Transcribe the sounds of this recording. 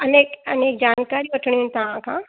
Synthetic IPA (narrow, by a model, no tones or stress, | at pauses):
ɐneːkɐneːk̚d͡ʒaːnkaːɾiɐʈʰɽ̃iũnt̪ɐɦãkʰã̰ː